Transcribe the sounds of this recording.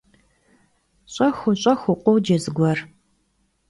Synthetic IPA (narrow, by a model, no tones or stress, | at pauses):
ɕʼɐxʷʊɕʼɐxʷʊqʷʊwd͡ʒɐzɨɡʷɔr